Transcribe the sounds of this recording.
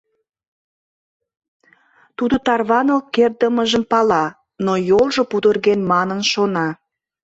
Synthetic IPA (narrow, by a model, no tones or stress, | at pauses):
t̪ud̪ot̪ɑrβɑnolkerd̪əməʒəmpɑlɑ | nojolʒŏpud̪ərɣenmɑnənʃonɑ